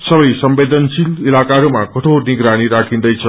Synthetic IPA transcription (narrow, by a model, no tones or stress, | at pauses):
sʌbʌjsʌmbed̪ʱʌnsililakaɾumakʌʈʰoniɡɾaɽ̃iɾakʰĩnd̪ʌjt͡sʰʌ